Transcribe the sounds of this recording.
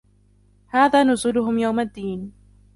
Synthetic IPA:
haːðaːnʊzuːlʊɦʊmjawmad̪ːiːn

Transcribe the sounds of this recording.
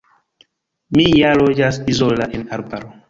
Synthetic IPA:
mijalod͡ʒasizolaʔenaɾbaɾo

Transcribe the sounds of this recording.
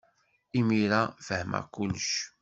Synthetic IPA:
imiɾafəhma̰kːʊlːʃ

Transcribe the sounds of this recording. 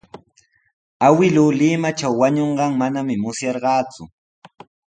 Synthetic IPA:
awɪluːlɪmaʈ͡ʂawːaɲoɴɢɑŋmanamɪmʊsjɑɾɢɑːt͡sʊ

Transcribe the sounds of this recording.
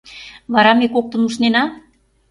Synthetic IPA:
βɑɾɑmekok̚t̪ə̆nuʃnenɑ

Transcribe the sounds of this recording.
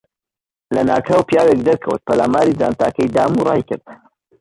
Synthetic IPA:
lɐ̰na̰ːkʰɐwpijaːwek̚d̪ɐɾkʰəwə̰t̪̚pʰɐla̰ːmaːɾiːd͡zaːnt̪ʰaːkɐjd̪aːmurˤɑ̰ːjkɨɾd̪

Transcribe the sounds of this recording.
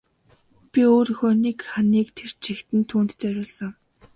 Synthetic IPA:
pʲioːɾɵxoːnekχaniːkt̪ʰer̥t͡ɕʰixt̪ɘ̆nt̪ʰuːnt̪t͡sæɾʲʊːɮsə̆ŋ

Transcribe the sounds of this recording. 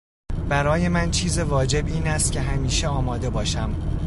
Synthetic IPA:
bæɾɒːje̞mænt͡ʃʰiːzevɒːd͡ʒe̞biːnæst̪̚cʰe̞ɦæmiːʃe̞ɒːmɒːd̪e̞bɒːʃæm

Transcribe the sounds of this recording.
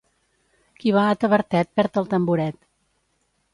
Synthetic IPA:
kiβaət̪əβəɾt̪ɛt̪̚pɛɾt̪əlˠt̪əmbuɾɛt̪

